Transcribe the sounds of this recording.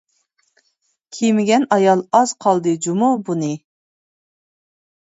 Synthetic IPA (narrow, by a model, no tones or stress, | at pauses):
kʲʰijmɪɡʲɛnɑjɑlˠɑz̥qʰɑlˠd̪ɨd͡ʒumubunɨ